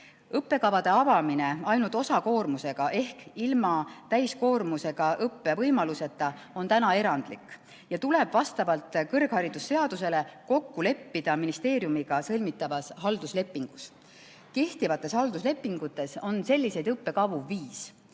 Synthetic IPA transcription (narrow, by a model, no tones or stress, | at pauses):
ɤpːe̞kɑvɑd̪̥e̞ɑvɑmine̞ɑjnult̪ˑosɑko̞ːrmuse̞ɡ̥ɑʔe̞hkilmɑt̪æjsko̞ːrmuse̞ɡ̥ɑʔɤpːe̞vɤjmɑluse̞t̪ːˑɑ | o̞nt̪ænɑe̞ɾɑnd̪̥likːˑ | jɑt̪ule̞b̥vɑst̪ɑvɑlt̪ˑkɤrɡ̥hɑɾid̪̥usːe̞ɑd̪̥use̞le̞ko̞kːule̞pːid̪̥ɑminist̪e̞ːɾijumiɡ̥ɑsɤlʲmit̪ːˑɑvɑsɦɑld̪̥usle̞pːˑiŋɡ̥us | ke̞ht̪ivɑt̪ːˑe̞shɑld̪̥usle̞pːˑiŋɡut̪ːˑe̞so̞nse̞lʲːise̞jd̪ɤpːe̞kɑvuviːs